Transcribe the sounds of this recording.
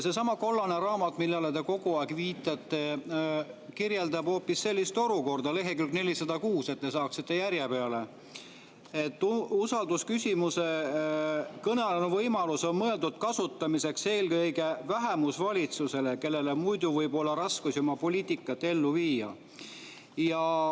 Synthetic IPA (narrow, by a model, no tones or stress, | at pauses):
se̞sɑmɑko̞lːɑneɾɑːmɑt̪ːˑmilːɑlet̪e̞ko̞ɡ̥uɑeɡviːt̪ːˑɑt̪ːˑe̞ | kirjeld̪ɑb̥ho̞ːpːisːe̞lʲːist̪o̞luko̞rd̪ɑle̞ɦekylkne̞lʲisɑd̪̥ɑkuːse̞t̪ːe̞sɑːksit̪ːˑe̞jæɾjepe̞ɑle̞ | e̞t̪ːusɑld̪uskysʲimuse̞ | kɤnɑlenuvɤjmɑluso̞nmɤe̞ld̪ud̪̥̚kɑsut̪ːˑɑmise̞kse̞ːlkɤjɡe̞væɦemusvɑlʲit̪suse̞leke̞lːe̞lemujd̪̥uvɤjbo̞lːɑɾɑskusjomɑpo̞lʲiːt̪ikːˑɑt̪ːe̞lːuviːjɑ̰ | jɑ